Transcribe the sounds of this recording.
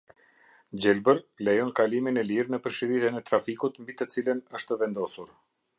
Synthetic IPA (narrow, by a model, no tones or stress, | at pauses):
d͡ʑɛlbəɾlɛjɔnkaliminɛliɾnəpəɾʃiɾit̪ɛnɛt̪ɾafikut̪mbit̪ət͡silənəʃt̪əvɛnd̪ɔsuɾ